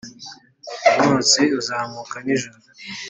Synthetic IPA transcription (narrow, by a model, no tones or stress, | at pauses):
umuːseuzaːmukaniʒoɾu